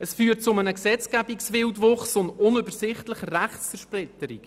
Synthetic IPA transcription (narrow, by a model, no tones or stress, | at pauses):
əsfyːrtt͡sʊmənəksɛt͡skæbiksʋɪltvoχsʊndʊnøbəɾsɪχtləχəɾæχt͡sfɛɾʃprɪtəɾḭk